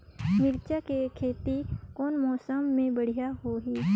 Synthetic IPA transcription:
mɪɾt͡ʃakekʰeːt̪ikɔːnmɔːsəmːẽbəɽ̤ijaɦoɦiː

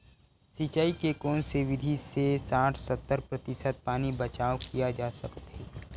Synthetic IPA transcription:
sit͡ʃaːikekɔːnseʋɪd̪ʱisesaːʈʰsɐt̪ːəɾpɾɐt̪ɪsət̪̚paːnibɐt͡ʃaːʋkijad͡ʒaːsəkt̪ɦeː

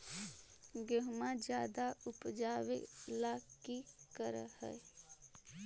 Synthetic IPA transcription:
ɡəɦmãd͡ʒjaːd̪aʊpd͡ʒaːwelaːkikəɾhɛ̰

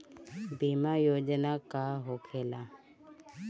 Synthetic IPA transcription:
bimajoːd͡ʒnakaɦoːkʰeːla

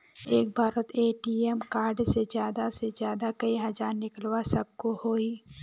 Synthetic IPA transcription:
eːk̚bʱaːɾət̪ʰeːʈiemkaːɾɖsezjaːd̪asezjaːd̪akɐiɦɐzaːɾnɪkəlwasɐb̚kohoːiː

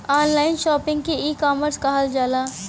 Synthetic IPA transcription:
aːnlaːɪnʃɔːpɪ̃ŋɡ̚keiːkɔːməɾskaɦəld͡ʒaːlaː

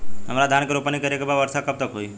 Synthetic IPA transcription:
ɦəmɾad̪ʱankeɾopənikəɾekebaʋəɾsakəp̚t̪əkɦoi

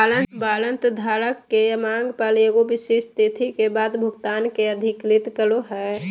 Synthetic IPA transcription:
alənbaːlənt̪d̪ʱaːɾəkːejəmaŋɡpəleɡobɪʃeʃt̪it̪ʰikebaːd̪bʱʊɡt̪aːnkeəd̪ʱɪklit̪kəloɦɛ

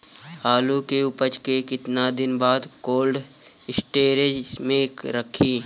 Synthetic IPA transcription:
haːlukeʊpət͡ʃkekɪt̪nad̪ɪnbaːd̪koːlɖ | ɪsʈeːɾed͡ʒmẽɾəkʰiː

